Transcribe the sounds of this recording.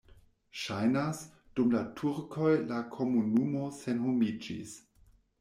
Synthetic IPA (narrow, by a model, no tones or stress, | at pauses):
ʃajnas | d̥umlatʰuɾkʰo̞jlakʰo̞munumo̞se̞nhumid͡ʒḭs